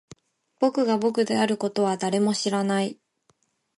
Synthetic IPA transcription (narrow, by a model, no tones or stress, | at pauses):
b̥o̞kɯ̟ɡabo̞k̬ɯ̟d̪e̞aɾɯ̟ko̞t̪o̞β̞ad̪aɾe̞mo̞ɕiɾanai